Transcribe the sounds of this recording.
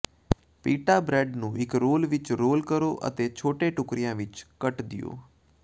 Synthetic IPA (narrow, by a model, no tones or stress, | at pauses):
piːʈaːbɾɛːɖnũːɪkɾoːlʋɪt͡ʃɾoːlkəɾoːʔə̰t̪eːt͡ʃʰoːʈeːʈʊkɾɪjãːʋɪt͡ʃkəʈd̪ɪ̰jo̰ː